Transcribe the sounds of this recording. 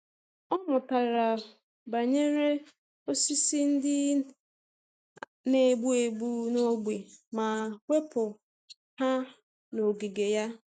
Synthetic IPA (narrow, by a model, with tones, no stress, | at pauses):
ɔ˦mʊ˨ta˨ɾa˨ | ba˨ɲe˦ɾe˦ | o˦si˦si˦n̩˦dɪ˦ | ne˨ɡ͡bu˦e˨bu˦no˦ɡ͡be˨ma˨kʷe˦pʊ˨ | ha˦ | no˨ɡi˨ɡe˨ja˦